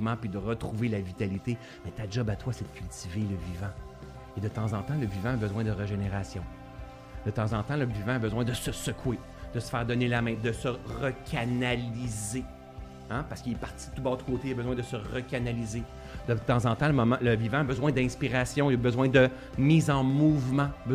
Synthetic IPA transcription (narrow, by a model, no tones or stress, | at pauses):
mãpid̪əʁət̪ʁuvelavit̪alit̪e | mɛt̪ad͡ʒɔbat̪wasɛd̪ə̥kʲylt̪iveləvivã | ed̪ət̪ɑ̃zɑ̃t̪ɑ̃ləvivãːbəzwɛ̃d̪əʁəʒeneʁaːsjɔ̃ | d̪̥ət̪ɑ̃zɑ̃t̪ɑ̃ləvivãːbəzwɛ̃d̪əsəsəkʰwe | d̪̥əsə̥fɛːʁd̪ɔnelamɛ̃d̪əsəʁəkʰʲanalize | apaʁskilɛpaʁtt͡sid̪t̪ubɑːʁd̪əkoːt̪eəbəzwɛ̃d̪əsəʁəkʲanalize | d̪̥ət̪ɑ̃zɑ̃t̪ãləmɔmãləvivãːbəzwɛ̃d̪ɛ̃spiʁasjɔ̃iləbəzwɛ̃d̪ə | miːzɑ̃muvmãb